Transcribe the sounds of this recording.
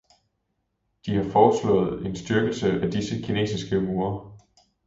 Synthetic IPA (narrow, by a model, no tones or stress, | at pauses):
d̥ihɑ̈fɒ̥ːslɔ̰̽ːð̩ˠe̝nsd̥yɐɡ̥l̩səʔæd̥isəkʰine̝̰ːsisɡ̥əmuːɐ